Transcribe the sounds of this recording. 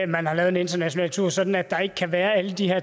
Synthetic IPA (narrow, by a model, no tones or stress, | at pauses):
mænhɑ̈lɛːʊð̩ˠene̝nd̥ɐnæɕo̝nɛ̰ːlt͡sʰuɐ̰sɒ̽d̥n̩æd̥ɑ̈e̝ɡ̥ə̥kʰæʋæːɐæləd̥ihæɐ̰